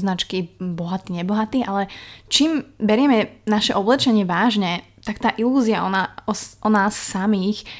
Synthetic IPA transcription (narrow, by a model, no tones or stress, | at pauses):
znat͡ʃkibɔɦat̪iːɲɛbɔɦat̪iːʔalɛt͡ʃiːmbɛɾɪɛmɛnaʃɛʔɔblɛt͡ʃɛɲɪɛʋaːʒɲɛ | t̪akt̪aːʔiluːziaɔaɔʔɔnaːsːamiːx